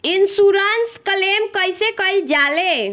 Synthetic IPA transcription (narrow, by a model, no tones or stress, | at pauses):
insuɾənsskəlemkəjsekəjld͡ʒale